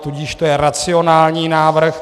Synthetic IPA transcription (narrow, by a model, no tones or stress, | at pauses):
t̪uɟɪʃt̪ojɛɾat͡sɪonaːlɲiːnaːvr̩x